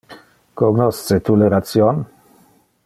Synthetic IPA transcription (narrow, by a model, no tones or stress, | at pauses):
koɡnɔst̪set̪uleɾat̪sjon